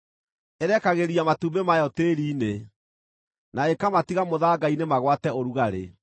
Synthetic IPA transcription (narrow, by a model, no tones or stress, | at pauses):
eɾɛkaɣeɾiamatumbemajɔteːɾiːne | naekamatiɣamoðaːɡainemaɣwatɛoɾuɣaɾḛ